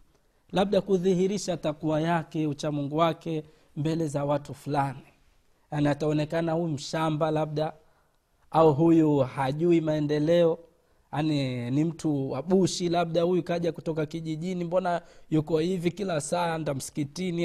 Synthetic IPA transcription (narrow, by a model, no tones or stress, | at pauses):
laɓ̚ɗakuðihiɾiʃatakuajakɛut͡ʃamuŋɡuwakɛ | mbɛlɛzawatufulani | janiataɔnɛkanahujum̩ʃambalaɓ̚ɗa | auɦujuhaʄuimaɛndɛlɛɔ | anɛnim̩tuwaɓuʃilaɓ̚ɗahujukaʄakutɔkakiʄiʄinimbɔnajukɔhivikilasandam̩si̥kitini